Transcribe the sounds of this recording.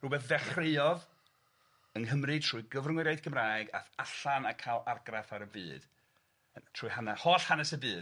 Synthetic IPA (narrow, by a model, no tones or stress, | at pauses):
ruːbɛθvɛχreɨɔð | ənɦəmrɨtʰr̥ʊːjɡəvrŋɪɾajdkʰəmraːjɡa̰θaɬanakʰaːlˠarɡraθaɾəbɨ̰ːd̥ | ətʰruːjhanahoːɬhanɛsəbɨːd